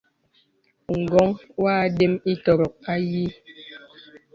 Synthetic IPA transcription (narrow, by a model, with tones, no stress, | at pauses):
ŋ̩˨ɡɔ˨˦ŋwaː˦˨de˦mi˦tɔ˨ɾɔ˨k̚a˦ji˦